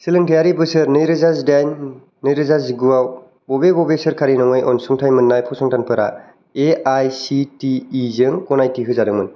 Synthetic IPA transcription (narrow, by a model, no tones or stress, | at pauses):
silɯŋtʰjaɾibɯsɯɾnɯjɾɯzazdajnː | ɯjɾɯzazɡuaw | bɔbebɔbesɯɾkʰaɾinɔŋɯjʔɔnsuŋtʰajmɯnːajpʰɔsɔŋtanpʰɯɾa̰ | eajsitiːzɯŋkɔnajtiɦɯzadɯŋmɯn